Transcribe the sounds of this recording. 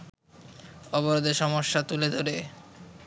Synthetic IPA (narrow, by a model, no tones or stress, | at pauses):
ɔboɾod̪eʃɔmoʃːat̪uled̪ʱoɾe